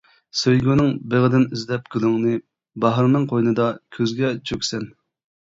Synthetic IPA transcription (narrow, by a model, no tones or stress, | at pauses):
søjɡʲynɪŋbeʁəd̪ɪnyzlɛp̚ɡʲylˠyŋnɨ | bɑɦɾnɨŋqʰojnɨd̪ɑkʲʰøzɡʲɛt͡ʃʰøkʲsɛn